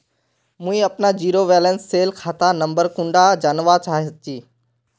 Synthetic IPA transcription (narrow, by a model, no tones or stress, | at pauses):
mũːĩɐpnad͡ʑiːɾoʋɛːlənsːeːlkʰaːt̪ʰanɐ̃mbəɾkũɳɖad͡ʑaːnʋat͡ɕaːɦit͡ɕiː